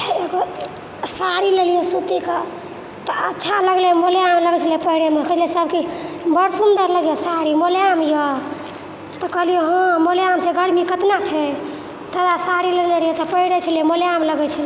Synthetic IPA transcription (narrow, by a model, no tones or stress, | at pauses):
eɡo | saɾilelijɛsut̪ike | t̪ɔətːt͡ʃʰaləɡlɛmolejamləɡɛt͡ʃʰəlpəɦiɽemekʰd͡ʒʰlsəb̚kibəɾsund̪əɾləɡjosaɽimoleamjɔ | t̪ɔkəɦlijoɦɔ̃molejamseɡəɽmikət̪nat͡ʃʰɛ | t̪əd̪asaɽileneɾijɛt̪ɔpəɦiɽet͡ʃʰəlijɛmoleamləɡɛt͡ʃʰəl